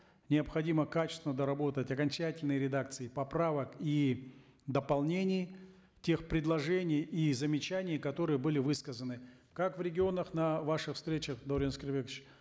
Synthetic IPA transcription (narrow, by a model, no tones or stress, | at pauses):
nʲɪəpxɐdʲiməkat͡ɕɪ̥st̪ʲɪnəd̪əɾɐbo̞t̪ətʲɐkɐnʲt͡ɕætʲɪlʲnɨjəɾʲɪd̪ak̚t̪sɨɪpɐpɾavəki | d̪əpɐlˠnʲenʲɪj | tʲe̞xpɾʲɪd̪lˠɐʐɛnʲɪjizəmʲɪt͡ɕænʲɪjəkɐt̪o̞ɾɨjəbɨlʲɪvɨskəzənɨ | kakvɾʲɪɡʲɪo̞nəxnɐvaʂɨxfst̪ɾʲet͡ɕəxd̪oɾʲenskʲɪrbʲekt͡ɕ